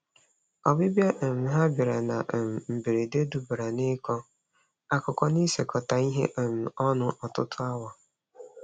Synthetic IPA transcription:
ɔ˨bɪ˦bja˦ʔ̩˨m̩˨ɦa˦bi˨ɾa˨na˨m̩˨m̩˨bi˨ɾe˨de˦du˨bɾa˨nɪ˦kɔ˦ | a˦kʊ˨kɔ˦ni˦se˨kɔ˨ta˨i˦ɦḛ˦ʔ̩˨m̩˨ɔ˦nʊ˦ʔɔ˨tʊ˦tʰʊ˦a˦wa˨

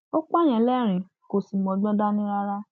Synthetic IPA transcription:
o˦k͡pa˦˨j̃ɛ̃˨lɛ˦˨ɾ̃ĩ˨ | ko˨si˨˧mɔ̃˧˨ɡ͡bɔ̃˦da˦nĩ˦ɾa˦ɾa˦

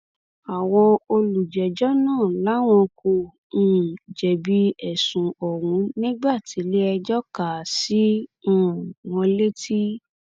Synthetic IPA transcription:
a˨w̃ɔ̃˧o˧lu˨d͡ʒɛ˨d͡ʒɔ˦nãː˦˨la˨˦w̃ɔ̃˧kõ˧˦˨ | d͡ʒɛ˨bi˦ɛ˦˨sũ˨ɔ˨ɾ̃ũ˨˦nĩ˦ɡ͡ba˦˨ti˨˦le˦ɛ˧d͡ʒɔ˦ka˨sĩ˨˦˨ | w̃ɔ̃˧le˦ti˦

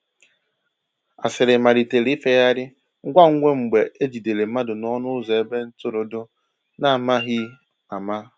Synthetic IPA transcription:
a̰˨sɪ˨ɾɪ˨ma˨ɾi˨te˨li˦fe˦ja˦ɾɪ˦ | ŋ̩˦ɡʷa˦ŋ̩˦ŋʷe˦ŋ͡m̩˨ɡ͡be˨e˦d͡ʒi˨de˨le˨m̩˦ma˦dʊ˨nɔ˦nʊ˦zɔ˨e˦be˦n̩˦tʊ˦ɾʊ˨dʊ˦ | na˦˨ma˦ɦɪ˦ | a˨ma˦

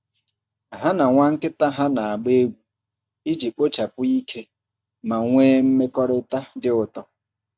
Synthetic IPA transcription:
ɦa˦na˨ŋʷa˦ŋ̩˦kɪ˦ta˦ɦa˦na˨a˨ɡ͡be˦ɡʷu˨ | i˦d͡ʒi˨k͡po˦t͡ʃa˨pʊ˦i˦kʰe˦ | ma˨ŋʷeː˦m̩˦me˦kɔ˦ɾɪ˦ta˦dɪ˦ʊ˨tɔ˦

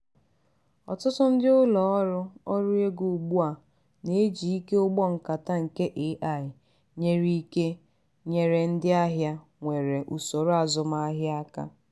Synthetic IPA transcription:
ɔ̰˨tʊ˦tʊ˦n̩˦dɪ˦ʊ˦lɔ˨ɔ˦ɾʊ˦ɔ˦ɾʊ˦e˦ɡu˨ɡ͡bu˦a˨ | ne˨˦d͡ʒi˨i˦ke˦ʊ˦ɡ͡bɔ˦ŋ̩˨ka˨ta˦ŋ̩˨ke˦ʔe˨˦ʔa˨ɪ˨ | ɲe˦ɾi˦ke˦ | ɲe˨ɾe˨n̩˦dɪ˦a˦ɦja˦ | ŋʷe˨ɾe˨ʔu˨so˨ɾʊ˦a˨zʊ˨ma˦a˦ɦja˦a˦ka̰˦

